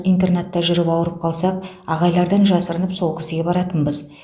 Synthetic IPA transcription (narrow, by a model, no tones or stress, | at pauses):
ijnt̪̬e̞rnet̪ːɑʒʏɾəpɑwəɾəp̚qʰɑlˠsɑp̚ | ɑʁɑjlˠɑɾd̪ɑnʒɑsəɾənəpso̞lˠkʲʰɪ̥sɪɡʲe̞bɑɾɑt̪ənbəz